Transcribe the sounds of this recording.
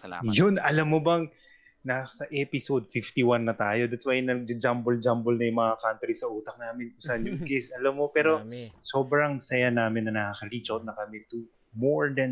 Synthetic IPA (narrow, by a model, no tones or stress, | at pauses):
a̰jʊnɐlɐmːobɐŋ | nasɐʔɛpɪsod̪̚fɪft̪iwanːɐt̪aːjo̞d̪at̪̚swajnɐɡ̚d͡ʒɐd͡ʒambold͡ʒambolnɐjʊŋmɐŋakant̪ɾisɐʔuːt̪ɐk̚naːmɪnʊsanjʊŋɡɛsɐlɐmːo̞pɛːɾo̞so̞ːbɾɐŋsɐjanaːmɪnːɐnɐkɐkɐɾit͡ʃot̪nɐkɐmɛt̪u | moɹd̪ɐn